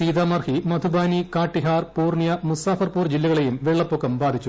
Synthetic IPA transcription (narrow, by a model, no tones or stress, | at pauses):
siːd̪aːmɐrhimɐd̪ʱubaːnikaːʈːiɦaːrpuːrɳjɐmusaːfɐrpuːrd͡ʑilːɐɣɐɭejumʋeɭːɐpːokːɐmbaːd̪ʱit͡ɕːu